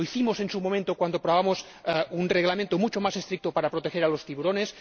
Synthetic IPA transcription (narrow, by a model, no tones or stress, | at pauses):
oiθimosensumomẽnt̪okwand̪opɾoβamos | ɛunreɣlamẽnt̪omut͡ʃomasest̪ɾik̚t̪opaɾapɾot̪exeɾalost̪iβuɾones